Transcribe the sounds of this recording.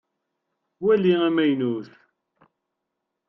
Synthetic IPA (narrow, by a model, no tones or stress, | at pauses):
wæliæmæjnuθ